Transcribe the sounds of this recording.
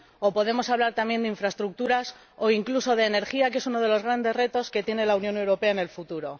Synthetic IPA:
o̞po̞ðe̞mo̞saβlaɾt̪amje̞nd̪eiɱfɾaest̪ɾuk̚t̪uɾas | o̞iŋkluso̞ðe̞ːne̞ɾxiak̬eesuno̞ð̞e̞lo̞zɣ̞ɾand̪e̞zre̞t̪o̞ske̞t̪je̞ne̞launjõ̞ne̞wɾo̞pe̞aene̞lfut̪uɾo̞

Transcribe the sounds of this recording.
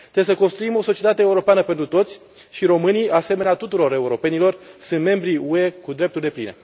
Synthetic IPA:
t̪ɾebesəko̞nst̪ɾuimo̞so̞t͡ʃiet̪at̪euɾo̞peanəpe̞nt̪ɾut̪o̞t̪sʲ | ʃiɾo̞mɨniase̞me̞neat̪ut̪uɾo̞ɾe̞uɾo̞pe̞nilo̞rsɨnt̪me̞mbɾiue̞kud̪ɾe̞p̚t̪urd̪e̞plḭne̞̰

